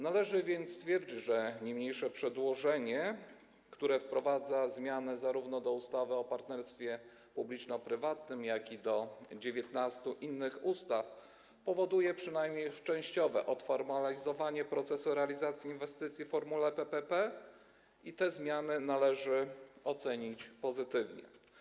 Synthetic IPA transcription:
nalɛʐɘvʲjɛnt̪st̪fʲjɛɾd͡ʑit͡ɕʐɛɲejmɲejʂɛpʂɛd̪wɔʐɛɲɛ | kt̪uɾɛfpɾɔvad̪zazmʲjanɘzaɾuvnɔd̪ɔust̪avɘɔpaɾt̪nɛɾst̪fʲjɛ | publʲit͡ʂnɔpɾɘvat̪nɘmjakʲid̪ɔd͡ʑevʲjɛt̪nast̪uʔinːɘxust̪af | pɔvɔd̪ujɛpʂɘnajmɲejʂt͡ʂɛ̃w̃ɕt͡ɕɔvɛʔɔt̪fɔɾmalʲizɔvaɲɛpɾɔt̪sɛsuɾɛalʲizat̪sʲjiinvɛst̪ɘt̪sʲjifɔɾmulɛpɛpɛpɛ | it̪ɛzmʲjanɘnalɛʐɘɔt̪sɛɲit͡ɕpɔzɘt̪ɘvɲɛ̰

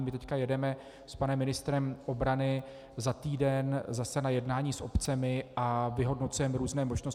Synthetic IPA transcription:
mɪt̪ɛckajɛdɛmɛ | spanɛmːɪnɪst̪ɾɛmʔo̞bɾanɪ | zat̪iːdɛnzasɛnajɛdnaːɲiːsʔo̞pt͡sɛmɪʔavɪɦo̞dno̞t͡sujɛmɛɾuːznɛːmo̞ʒno̞s

